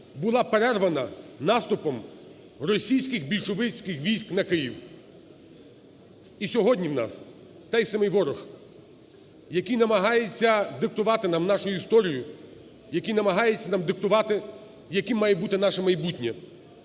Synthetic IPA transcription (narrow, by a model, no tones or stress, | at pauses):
bʊlˠɑpeɾɛrʋɐnɐnɑst̪ʊpɔm | rɔsʲijsʲkɪxbʲilʲʃʊʋɪt͡sʲkɪxʋʲijsʲknɐkɪjiw | isʲɔɦɔdʲnʲiwnɑ̰s | t̪ɛjsɐmɪjʋɔɾʊx | jɐkijnɐmɐɦɑjet͡sʲːɐd̪ɪkt̪ʊʋɑt̪ɪnɑmnɑʃʊjʊist̪ɔɾʲijʊ | jɐkijnɐmɐɦɑjet͡sʲːɐnɑmd̪ɪk̚t̪ʊʋɑt̪ɪ | jɐkɪmːɑjɛbut̪ɪnɑʃɐmɐjbutʲnʲɐ